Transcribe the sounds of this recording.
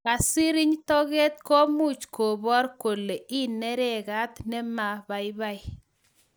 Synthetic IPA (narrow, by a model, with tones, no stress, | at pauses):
ka˨si˦ɾi˦ɲtɔ˦ɣɛ˦t̚kɔ˦mu˦t͡ʃko˨bɔ˦ɾko˨lːe˨ʔi˦nɛ˦ɾɛ˦˨ka˦tnɛ˦ma˨ba˨i˦ba˦i˦